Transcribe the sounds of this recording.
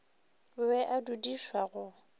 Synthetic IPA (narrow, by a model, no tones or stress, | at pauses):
wɛʔadudiʃwaɣʊ